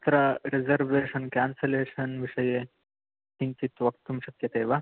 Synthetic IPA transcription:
t̪ɾaɾed͡zəɾʋeɕənkanseleːɕənʋiʂəje | ɦiɲt͡ɕit̪ʋɐk̚t̪ːumɕɐkjɐt̪ejʋa

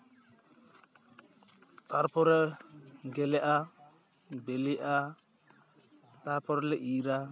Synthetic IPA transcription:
t̪aɾpɔɾɛ | ɡɛlɛʔa | bɛliʔa | t̪aɾpɔɾlɛʔiɾa

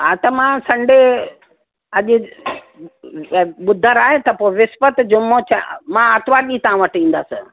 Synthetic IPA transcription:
ɦat̪ɐmãsɐ̃ɳɖe | ɐʄɪ̆ | ɓʊd̪ʱəɾaːɦet̪ɐpoːɪʋɪsfət̪d͡ʑʊmot͡ɕamãat̪ʋaːɗit̪ɐãʋɐʈĩːn̆d̪aːsɪ

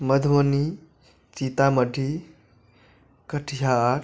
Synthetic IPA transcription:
məd̪ʱwəni | t͡ʃit̪aməɖʱi | kəʈʰiɦaɾ

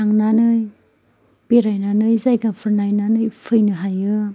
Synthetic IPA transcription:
aŋnanɯj | b̥eɾajnanɯjzajɡapʰɯɾnajnanɯjpʰɯjnɯɦajɯ

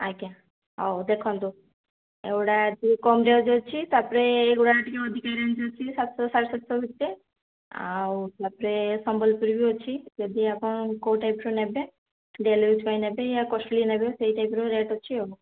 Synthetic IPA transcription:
akã | ɔd̪ekʰɔnt̪o | eɡuɽat̪ikɔmɾed͡ʒɔt͡ʃʰit̪apɔɾeːɡoɽaʈikeɔd̪ʱikaɾend͡ʒɦɔt͡ʃʰisat̪sɔsaɾesat̪sɔbʱit̪ːe | a̰wt̪apɔɾesɔmbɔlpuɾibʱijuɦɔt͡ʃʰid͡ʒɔd̪ʱiapɔnkoʈajpɾonɛbe | ɖelud͡ʒʰpajnɛbejakɔsʈɔlinɛbesejʈajpɾoɾeʈɦɔːt͡ʃʰio

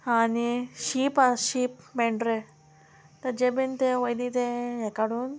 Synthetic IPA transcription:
aniɕipaʃiːp̚meɳɖɾe | t̪ɐɾd͡ʒebint̪eʋəjd̪it̪eekaɽuːn

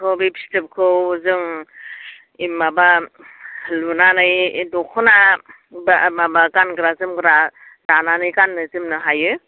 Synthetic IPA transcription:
kʰɯwbepʰi̥stɯp̚kʰɯwzɯŋ | imːaba | lunanɯjdɔkʰɔna | bamabakanɡɾazɯmɡɾa | dananɯjkanːɯzɯmnɯɦajɯ

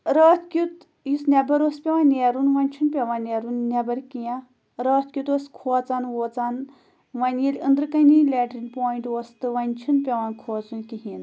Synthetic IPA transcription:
ɾəːt̪ʰkʲut̪ | jisnʲɐbɐɾoːspʲeʋaːnʲeːɾunʋɐnʲt͡ʃʰunpʲeʋanʲeːɾunːʲebɐɾkijã | ɾəːt̪̚ʰkʲjut̪oːskʰoːt͡saːnʋoːt͡saːn | ʋɐnjilʲənd̪ɾɨkɐnilʲeːʈɾinʲpoːjiɳʈoːst̪ɨʋɐnʲt͡ʃʰunpʲeʋaːnkʰoːt͡sunkiɦin

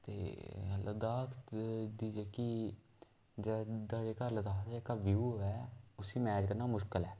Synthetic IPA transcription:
t̪ḛːləd̪aːkʰd̪iːd͡ʒɛːki | d͡ʒɛːd̪ad͡ʒeːkaːləd̪aːeːkaːʋjuːɦoːɛːʊsiːmɛːd͡ʒkəɾnaːmʊʃkəlɛː

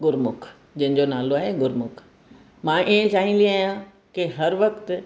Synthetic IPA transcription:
ɡʊɾmʊkʰ | d͡ʑɐ̃ɦɪ̃ɲd͡ʑonaːloaːɦeɡʊɾmʊkʰ | mãːʔiːẽt͡ɕaːɦĩliaːjã | keɦɐɾʋɐkt̪

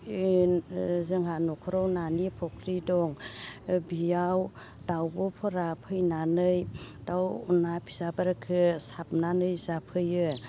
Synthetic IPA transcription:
zɯŋɦanɔkʰɔɾɔwnanipʰɔkʰɾidɔŋ | bijaw | dawbɔpʰɔɾapʰɯjnanɯjd̥awunapʰi̥zabaɾakʰɯsap̚nanɯjzapʰɯjɯ

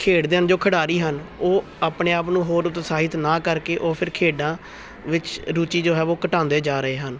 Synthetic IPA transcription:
kʰeːɽd̪eːənd͡ʒoːkʰəɽaːɾiːɦənoː | aːpɳeːaːpnũːɦoːɾʊt̪saːɦɪt̪nãːkəɾkeːʔoːpʰɪɾkʰeːɖãː | ʋɪt͡ʃɾuːt͡ʃiːd͡ʒoːɦɛːʋoːkəʈãːnd̪eːd͡ʒaːɾəeːɦən

